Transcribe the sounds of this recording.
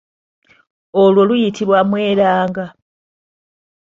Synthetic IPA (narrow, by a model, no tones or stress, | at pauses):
olwo̞lujitʰiβwamwe̞ːɾaːŋɡa